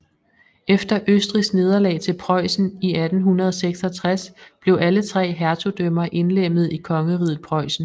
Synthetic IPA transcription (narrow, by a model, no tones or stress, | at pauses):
efd̥ɐʔøsd̥ʁisɡ̥ne̝ð̞ˠɐlɛ̰ːt͡sʰe̝lpʰʁɒ̽ɪ̰sn̩iæd̥n̩ɦunɐð̞ˠɒseɡ̥sɒt͡sʰʁasb̥le̝ʊʔælət͡sʰʁɛ̰ːɦæɐt͡sʰod̥ømɐʔe̝nlem̰ð̞̩ˠikʰɒ̽ŋəʁið̩ˠpʰʁɒ̽ɪsn̩